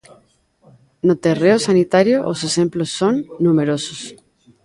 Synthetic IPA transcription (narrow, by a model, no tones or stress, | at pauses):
not̪ereosanit̪aɾjoʔose̞se̞mplosːonːũmeɾosos